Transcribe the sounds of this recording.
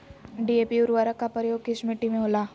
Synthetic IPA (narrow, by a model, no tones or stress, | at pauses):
ɖieːpiʊɾʋaːɾəkːapəɾjoːɡ̚kɪʃmiʈimẽɦoːlaː